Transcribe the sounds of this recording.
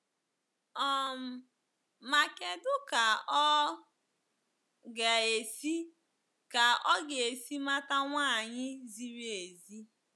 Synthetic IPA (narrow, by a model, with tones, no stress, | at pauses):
ɔ˦m̩˨ | ma˨ke˦dʊ˦ka˨ɔ˦ | ɡa˨e˨si˦ | ka˨ɔ˦ɡe˨si˦ma˦ta˦ŋʷa˦˨ɲɪ˦zi˦ɾe˨zi˦